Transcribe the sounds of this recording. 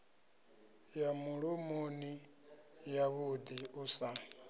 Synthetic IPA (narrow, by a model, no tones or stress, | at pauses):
jamuɺomoni | jaβud̪iusa